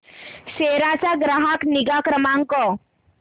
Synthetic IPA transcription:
seɾat͡saɡɾaɦakniɡakɾəmãŋkɔ

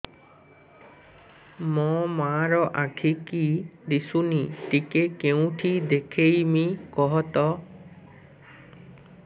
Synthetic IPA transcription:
mɔmaɾɔʔakʰikid̪isuniʈikekeũʈʰid̪ekʰejmikɔɦɔt̪ɔ

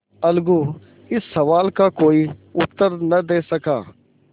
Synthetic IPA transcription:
əlɡuː | ɪsːəʋaːlkaːkoːiːʊt̪ːəɾnəd̪eːsəkaː

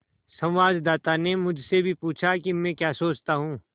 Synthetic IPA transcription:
sɐ̃wʋaːd͡ʒd̪aːt̪anemʊd͡ʒʱsebʱipuːt͡ʃʰakimɛ̃kjaːsoːt͡ʃt̪aɦũː

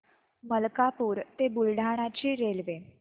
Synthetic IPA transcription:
məlkapuːɾt̪ebulɖʱaɽ̃at͡ɕiːɾelʋe

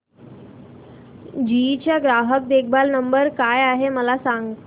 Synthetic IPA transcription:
d͡ʑit͡ɕjaɡɾaɦək̚d̪ek̚ʰbalnəmbəɾkajaɦeməlasaŋɡ

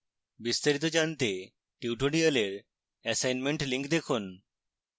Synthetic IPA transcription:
bist̪aɾit̪od͡ʑant̪e | ʈiuʈoɖiəleɾ | ɛsajnmeɳʈliŋkd̪ekʰun

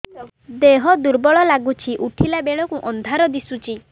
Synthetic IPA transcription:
d̪eɦɔd̪uɾbɔɭɔlaɡut͡ʃʰiʔuʈʰilabeɭɔkuʔɔnd̪ʱaɾɔd̪isut͡ʃʰi

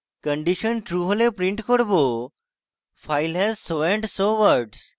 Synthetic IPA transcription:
kə̃ɳɖiɕənʈɾuɦolepɾĩɳʈkoɽbo | fajlɦɛzsoʋẽɳʈsoʋəɾɖs

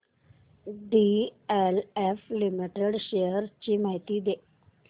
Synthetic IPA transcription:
ɖieleflimiʈeɖɕejəɾt͡ɕimaɦit̪id̪e

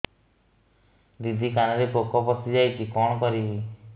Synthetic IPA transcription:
d̪id̪ʱikanɔɾepokɔpɔsid͡ʒajkikɔɽ̃ɔkɔɾi

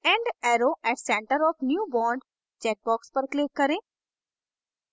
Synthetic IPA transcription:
ɛ̃ːɳɖɛːɾoːɛʈsɛ̃ːɳʈəɾɔːfnjuːbɔːɳɖ | t͡ʃɛːʈ̚bɔːkspəɾklɪːkːɐɾẽː

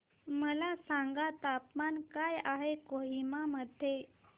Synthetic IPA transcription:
məlasãŋɡat̪apmankajaɦekoɦimaməd̪ʱe

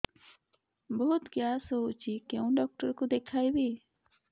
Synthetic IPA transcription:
bɔɦut̪ɡjasout͡ʃikeũɖɔk̚ʈɔɾkud̪ekʰajbi

